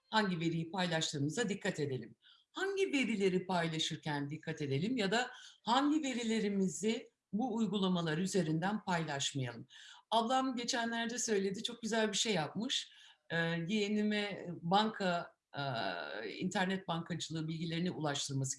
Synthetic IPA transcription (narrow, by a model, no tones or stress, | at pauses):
haɲɟive̞ɾijipʰajlʲˠaʃt̪ɯːmɯzad̪ikʰːat̪ʰe̞d̪e̞lʲim | haɲɟive̞ɾilʲe̞ɾipʰajlˠaʃɯɾcʰænd̪ikʰːat̪e̞d̪e̞lʲimjad̪ahaɲɟive̞ɾilʲe̞ɾimizɪ | buːjɡulˠamalˠaɾyze̞ɾind̪ænpʰajlˠaʃmajalˠɯmablˠamɟe̞t͡ʃʰænlʲæɾd̪ɛsø̞jlʲe̞d̪it͡ʃʰo̞k̚ɟyzælʲbiʃe̞jːap̚mɯʃ | jenimɛbaŋkʰa | ḭnt̪ʰæɾnɛt̪̚baŋkʰad͡ʒɯlˠɯːbilʲɟilʲe̞ɾiniʔulˠaʃt̪ʰɯɾmasɯ̥